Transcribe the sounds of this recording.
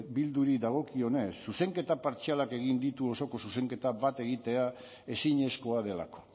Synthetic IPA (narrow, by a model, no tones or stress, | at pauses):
bild̪uɾid̪aɣ̞o̞kio̞ne̞sːuse̞ŋke̞t̪apaɾt͡sialake̞ɣ̞ind̪it̪uo̞so̞ko̞suse̞ŋke̞t̪aβat̪e̞ɣit̪e̞a | e̞siɲe̞sko̞að̞e̞la̰ko̞̥